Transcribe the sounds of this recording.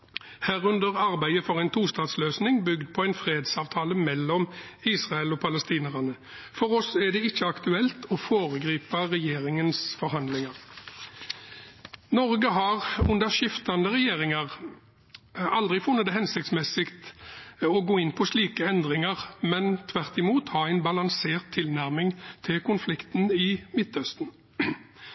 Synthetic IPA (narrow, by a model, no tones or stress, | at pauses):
hæːʁʉnd̪əʁɑʁbæɪəfɔʁæɪnt̪ʰuːst̪ɑːd̪sløːsnɪŋbʏɡd̪̚pʰɔæɪnfʁeːd̪sɑːʋt̪ʰɑːləmɛlːɔmiːsʁɑəlɔpʰɑləst̪iːnəʁɑnə | fɔɾɔsɛd̪ɛɪçːəɑkt̪ʉɛlt̪ʰɔfoːʁəɡʁiːpɑʁɛjeːɾɪŋənsfɔɾhɑnd̪lɪŋɑʁ | nɔʁɡəɦɑʁʉnd̪əʃɪft̪ɑnd̪əʁɛjeːʁɪŋɑʁ | ɑld̪ʁɪfʊnːət̪ɛhɛnsɪk̚t̪smɛsɪkt̪ | ɔɡoːɪnpʰɔsliːkəɛnd̪ʁɪŋɑʁmɛnt̪ʰʋæʁt̪ɪmuːt̪hɑæɪnbɑlɑŋseːʁt̪ʰːɪlnæʁmɪŋt̪ʰɪlkʊnflɪkt̪n̩ɪmɪt̪œst̪n̩